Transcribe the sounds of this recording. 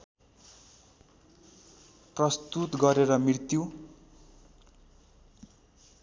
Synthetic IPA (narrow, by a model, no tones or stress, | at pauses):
prʌst̪ut̪ɡʌɾeɾʌmirt̪ju